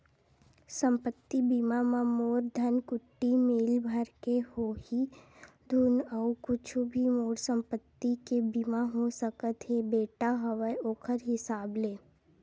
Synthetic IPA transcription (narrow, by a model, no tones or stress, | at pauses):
sə̃mpət̪ːibimamãmoːɾd̪ʱənkʊʈːimeːlbʱəɾkehoːhi | d̪ʱuːnəukʊt͡ʃʰubʱimoːɾsə̃mpət̪ːikebimaɦosəkət̪ɦebeːʈaɦəʋəoːkʰəɾɦɪsaːbleː